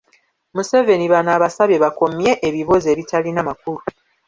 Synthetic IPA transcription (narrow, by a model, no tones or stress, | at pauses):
muse̞ve̞niβanaːβasaβeβako̞mje̞ʔeːβiβo̞ze̞ːβitʰalinamakuɾu